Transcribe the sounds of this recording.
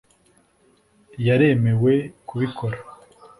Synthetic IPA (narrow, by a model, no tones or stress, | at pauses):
jaɾe̞me̞we̞kuβikʰo̞ɾa